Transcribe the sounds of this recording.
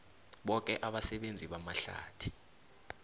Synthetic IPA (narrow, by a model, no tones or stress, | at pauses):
ɓɔk̬ʼɛʔaɓasɛɓend͡zʱiɓamaɬa̰ːtʰi̥